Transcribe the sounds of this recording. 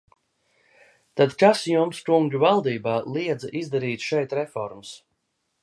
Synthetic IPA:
t̪ad̪kasjumskuŋɡuvalˠd̪iːbaːlˠiɛd̪zʔizd̪aɾiːt̪ʃɛjt̪ɾɛfɔ̰ɾms

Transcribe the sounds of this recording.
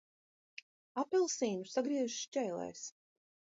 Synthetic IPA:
apilˠsiːɲusaɡɾiɛʒʃt͡ʃɛjlˠɛ̰js

